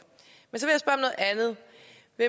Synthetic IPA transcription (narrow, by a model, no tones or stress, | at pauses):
mensɒ̽ʋejasb̥ɶɐmnɔ̽ːð̩ˠænð̩ˠ | ʋe